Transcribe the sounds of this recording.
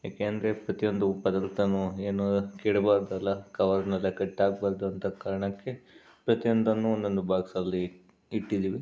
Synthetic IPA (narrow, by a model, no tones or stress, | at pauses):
ja̰ːkeːɐnd̪ɐɾe̞pɾɐt̪ijo̞nd̪upɐd̪ɐlt̪ɐnːueːnukiːɽbaːɾd̪ɐlːɐkɐʋɐɾnɐlːɐkɐʈːaːɡbaːɾd̪uɐnt̪ɐkaːɾɐɳɐkːe̞ | pɾɐt̪ijond̪ɐnːuond̪o̞nd̪ubʱaːɡsɐlːiː | ʈːid̪iːʋi